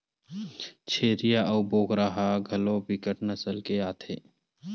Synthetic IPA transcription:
t͡ʃʰeːɾijaʔɐʊboːkɾaɦaɡʱɐlõbɪkəʈnɐsəlkeaːt̪ʰeː

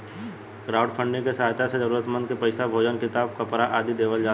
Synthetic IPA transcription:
kɾaːʊɖpʰə̃ɳɖẽkesɦaɦt̪ʰased͡ʒɐɾuːɾət̪mə̃nd̪̚kepɐɪsabʱoːd͡ʒənkɪt̪aːb̚kɐpɾaʔaːd̪id̪eːʋəld͡ʒaː

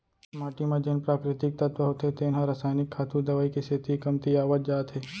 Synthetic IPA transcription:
maːʈimãd͡ʒenpɾaːkɾɪt̪ɪk̚t̪ɐt̪wəɦot̪et̪eːnɦãɾɐsaːjnɪkʰːaːt̪ũd̪ɐʋaːikiset̪ikɐmt̪iaːʋət̪̚d͡ʒaːt̪ɦeː

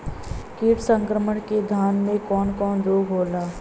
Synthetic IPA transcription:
kiːʈsə̃ŋkɾəməɳked̪ʱaːnmẽkɔːnkɔːnd͡ʒoːɡɦoːlaː

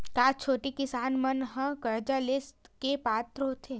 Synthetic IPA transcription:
kaːt͡ʃʰoːʈikɪsaːnmɐnɦɐ̃kɐɾd͡ʒalest̪kepaːt̪ɾɦoːt̪ʰe

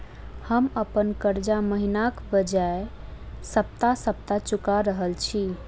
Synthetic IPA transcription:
həməpənkəɾd͡ʒaməɦinakbəd͡ʒaesəp̚t̪asəp̚t̪at͡ʃukaɾəɦəlt͡ʃʰi

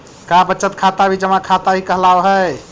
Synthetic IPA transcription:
kabətːt͡ʃət̪kʰat̪abʱid͡ʒəmãkʰat̪abʱikəɦlaoɦəj

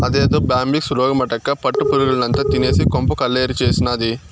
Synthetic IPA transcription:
ɐd̪eːd̪oːbaːmbiksɾoːɡɐmɐʈɐkːɐpɐʈːupuɾuɡulɐnɐnt̪ɐt̪ine̞ːsikompɐkɐlːeːɾit͡ʃeːsinɐːd̪i

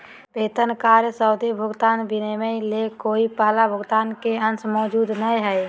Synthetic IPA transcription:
peːt̪ənkaːɾjəsɔʊd̪ibʱʊɡt̪aːnbɪnemẽlekoːipəlabʱʊɡt̪aːnkeənsmɔːd͡ʒuːd̪nəɦĩɦɛe

